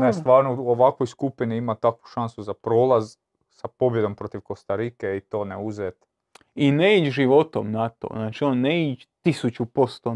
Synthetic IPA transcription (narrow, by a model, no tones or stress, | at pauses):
nest̪ʋaːɾnouoʋakʋo̞jskupiniimat̪akʋu̥ʃansuzapɾo̞ːlaz | sapo̞bje̞d̪o̞mpɾo̞t̪iʋko̞st̪aɾikeit̪o̞ːneuzet̪ | ineit͡ʃʒiʋo̞t̪omnat̪o̰znaːt͡ʃionːeit͡ʃ | t̪isut͡ʃupo̞st̪o